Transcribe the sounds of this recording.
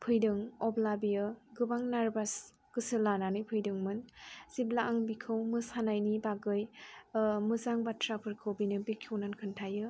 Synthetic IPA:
pʰɯjdɯŋɔblabijɯɡɯbaŋnaɾbas | kɯsɯlananɯpʰɯjdɯŋmɯnz̥iblaʔaŋbikʰɯwmɯsanajnibaɡɯj | mɯzaŋbatʰɾapʰɯɾkʰɯwbinɯbikʰːɯwnankʰɯntʰajɯ

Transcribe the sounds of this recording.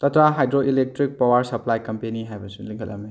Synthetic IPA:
tɐtɾaɦajdɾoʔilek̚tɾik̚pawɐɾsɐplajkɐmpeniɦajbɐsiliŋkʰɐ̰lɐ̰mni

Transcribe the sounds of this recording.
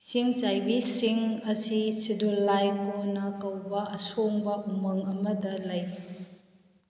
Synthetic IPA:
siŋt͡ʃajbisiŋɐsisidulajkonɐkɐwbɐɐsoŋbɐʔumɐŋɐmɐdɐlɐj

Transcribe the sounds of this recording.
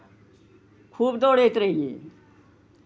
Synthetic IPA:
kʰuːbd̪oːɽet̪ɾeijḛ

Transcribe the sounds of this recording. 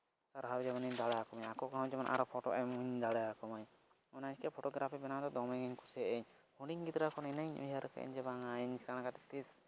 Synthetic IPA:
saɾɦabd͡ʒɛmaniɲd̪aɽajakɔmaɲakɔkaɦɔ̃wd͡ʒɛmanʔa̰ɾɔpʰɔʈɔ̰ʔɛmuɲd̪aɽajakɔmaɲ | ɔnaɲkɛpʰɔʈɔɡɾapʰibɛnad̪ɔd̪ɔmɛŋɛɲkusɛʔɛɲ | huɽiŋɡit̪ɾakɔnɛnəɲʔṵjaɾkɛ̰ʔɛ̰ɲd͡ʒɛbaŋaɲsanakat̪ɛ̥t̪is

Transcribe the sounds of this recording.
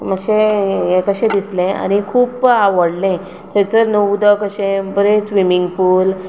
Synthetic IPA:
məɕejekəɕẽd̪islẽa̰ñikʰuːpaʋəɽlẽ | t̪ʰet͡səɾnəd̪əkəɕẽbəɾesʋimiŋɡpuːl

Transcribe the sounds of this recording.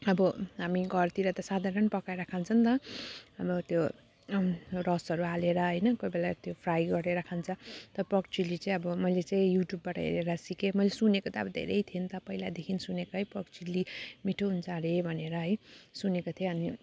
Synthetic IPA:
ʌbʌɦamiɡʌrt̪iɾʌt̪ʌsad̪ʱaɾʌnpʌkajɾakʰant͡sʰʌnt̪ʌʌbʌt̪jo | ɾʌsʌɾualeɾʌɦʌjnʌkojbelat̪jopʰrajɡʌɾeɾʌkʰant͡sʰʌt̪ʌprʌkt͡silit͡saĩʌbʌmʌjlet͡saĩjuʈjubːaʈʌ̰ḛɾeɾʌsikemʌjlesunekot̪ʌʌbʌd̪ʱḛɾejt̪ʰient̪ʌpʌilad̪ekʰinsunekoɦʌjprʌkt͡ʃilimiʈʰoɦunt͡sʰʌɾebʱʌneɾʌɦʌjsunekot̪ʰjeʌni

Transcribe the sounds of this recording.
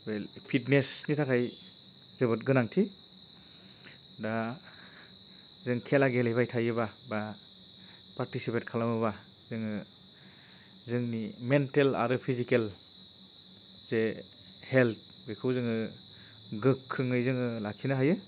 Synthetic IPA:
welpʰitnesnitʰakʰaj | zɯbɯtɡɯnaŋtʰi | da | zɯŋkʰelaɡelejβajtʰajɯbaba | paɾtisipet̚kʰalamɯβa | zɯŋɯ | zɯŋnimentela̰ɾɯpʰizikel | ze | helt̪̚ʰ | bekʰɯwzɯŋɯ | ɡɯkʰːɯŋɯjzɯŋɯlakʰinaɦajɯ

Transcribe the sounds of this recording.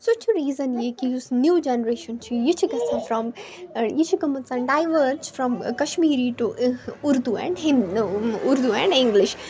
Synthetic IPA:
sʊt͡ʃʰuɾiːzənjekiʊsnjuːd͡ʒɛnɾeːʃɐnt͡ʃʰujɪt͡ʃʰikɐsãfɾɔmjɪt͡ʃʰukɐmɐnsãɖaːɪʋəɾsfɾɔ̃mkɐʃmiːɾiʈuʊɾd̪uɛ̰̃ɳɖɦɪmʊɾd̪uɛ̃ɳɖɪ̃ŋɡlɪʃ

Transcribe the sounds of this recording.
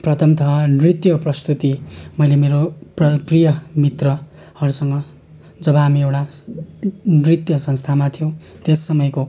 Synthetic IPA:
prʌt̪ʰʌmt̪ʰʌnrit̪jʌprʌst̪ut̪imʌjlemeɾoprʌprijʌmit̪rʌ | hʌɾusʌŋɡʌ | d͡zʌbʌamiewʈa | nrit̪jʌsʌ̃nst̪ʰamat̪ʰijow̃t̪esːʌmʌjko

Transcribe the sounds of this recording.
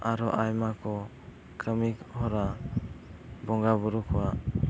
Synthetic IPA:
aɾɔʔajmakʰɔ | kɾəmikhɔɾa | bɔŋɡabɔɾukʰɔwa

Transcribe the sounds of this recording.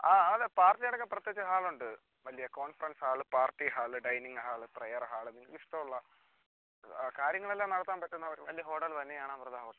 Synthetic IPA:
aːɐðepaːrtːijɐɽɐkːeprɐt̪jeːt͡ɕːɨɦaːɭuɳɖɨ | ʋɐlijɐko̞ːnfɐrɐnshaːɭɨpaːrʈːiɦaːɭɨɖɐjniŋɡɨɦaːɭɨprejɐrɦaːɭɨniʋiʂʈɐmuɭːɐ | kaːɾjɐŋːɐɭelːaːmnɐɽɐt̪ːaːnpɐtːunːɐːʋɐɾʋɐlijɐɦo̞ːʈːɐltɐnːejaːɳaːmprɐd̪ʱaːʋɐt̪ː

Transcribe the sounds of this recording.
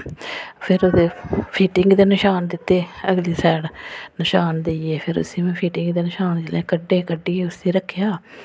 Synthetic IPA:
pʰɪɾoːd̪eːpʰiːʈɪŋɡd̪eːnɪʃaːnd̪ɪt̪ːeːəɡliːsɛːɽnɪʃaːnd̪eeːpʰɪɾʊ̰sĩːmɛ̃ːpʰiːʈɪŋɡd̪eːnɪʃaːnd͡ʒlẽːkəɖːeːkəɖːiːʊsĩːɾəkʰːjaː

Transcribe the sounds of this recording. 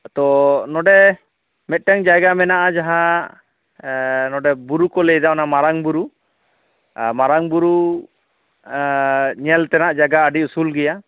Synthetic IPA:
t̪ɔnɔɖɛ | mɛt̪̚ˀʈɛŋd͡ʒajɡamɛnaʔad͡ʒaɦã | nɔɖɛbuɾukɔlɛd̪aɔnamaɾaŋbuɾu | maɾaŋbuɾu | ɲɛlt̪ɛnaʔd͡ʒaɡaəɖiusulɡɛja

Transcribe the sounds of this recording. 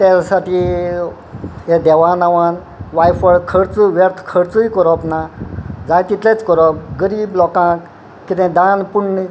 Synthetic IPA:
t̪elasaʈʰi | ed̪ɛʋaːnaʋaːn | ʋajfʋəɽkʰəɽt͡suʋeɾt̪ʰkʰəɽt͡suikɔɾɔpnad͡zajt̪it̪let͡skɔɾɔp̚ɡəɾiːblɔkãːk | kit̪ẽd̪aːnpuɳni

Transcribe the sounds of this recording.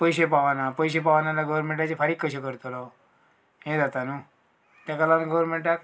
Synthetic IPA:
pəjsepaʋanapəis̬epaʋanalaɡəʋɾmẽɳʈat͡ɕepʰaɾikːəsekəɾt̪olo | ẽd̪at̪anũ | t̪akalanɡəʋəɾmẽɳʈak

